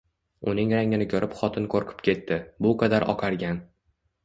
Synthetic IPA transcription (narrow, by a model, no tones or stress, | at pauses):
ʊnɪŋɾaŋɪnɪkʲʰɒɾɪpχɒt̪ʰɪnkʰoɾqʰʊ̥pkʲʰe̞t̪ːɪbʊqʰɑd̪aɾʔɒ̰qʰɑɾɡʲan